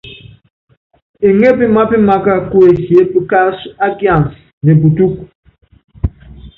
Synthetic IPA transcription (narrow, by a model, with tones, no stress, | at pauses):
e˨ŋe˦pi˦ma˦pi˦ma˦ka˦ku˦e˨hje˨˦bi˦ka˦sa˦ɡja˨ns | ne˨bu˨tu˦k̚